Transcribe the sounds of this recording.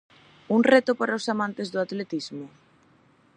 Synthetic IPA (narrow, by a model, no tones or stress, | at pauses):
uŋret̪ʊpaɾaosamãnt̪ezðʊat̪let̪izmʊ